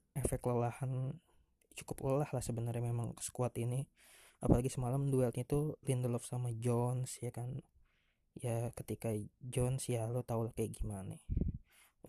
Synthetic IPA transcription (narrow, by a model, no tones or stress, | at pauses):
efɛk̚ləlahan | t͡ʃu̥kʊpləlahlahsəbənərɲamemaŋkə̥sə̥kuat̪ini | apalaɡisəmalamduɛlt̪̚ɲat̪ulindəlɔfsamad͡ʒɔnsjakan | jakət̪ikad͡ʒɔnsjalot̪aulakajɡimane